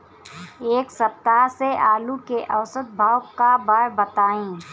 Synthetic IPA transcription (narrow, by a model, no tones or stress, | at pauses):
eːksɐp̚t̪aseʔaːlukeʔɐwsət̪̚bʱaːwkabaːɾbɐt̪aːẽː